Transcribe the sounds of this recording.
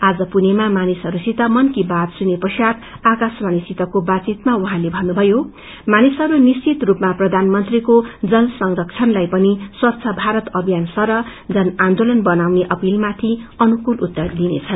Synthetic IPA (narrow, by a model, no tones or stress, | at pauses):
ad͡zʌpunemamanisʌɾusit̪amʌnkibad̪sunepʌsjat̪ | akasmanisit̪ʌkobat͡sit̪mauɦãlebʱʌnnubʱʌjo | manisʌɾunist͡sit̪rupmaprʌd̪ʱanmʌnt̪rikod͡zʌlsʌŋrʌkt͡sʰʌnlajpʌniswʌt̪ːsʰʌbʱaɾʌt̪ʌbʱijansʌɾʌd͡zʌnand̪olʌnbʌnawneʔʌpilmat̪ʰiʌnukulut̪ːʌrd̪inḛt͡sʰʌn